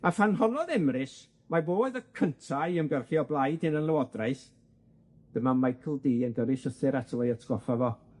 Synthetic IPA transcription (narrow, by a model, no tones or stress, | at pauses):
afanɦɔnɔðɛmrɪs | maboːðəkʰəntʰaɨəmɡwɛrχiɔblˠajdɪnənlˠəwɔdraɨθ | d̥əmamajkʰəlˠdiːənɡəɾɪʃəθɪɾatʰəlɔjatʰɡ̥ɔfavɔ